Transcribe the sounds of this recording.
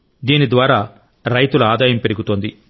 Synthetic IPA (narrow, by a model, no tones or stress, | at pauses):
d̪iːnid̪ʋaːɾaː | ɾɐjt̪ulɐaːd̪aːjɐmpe̞ɾiɡut̪oːnd̪i